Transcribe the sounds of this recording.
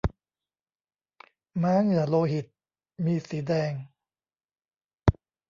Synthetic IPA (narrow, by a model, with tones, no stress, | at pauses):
maː˦˥ŋɯ˨˩ɐloː˧ɦi˨˩t̪̚ | miː˧siː˩˦dɛː˧ŋ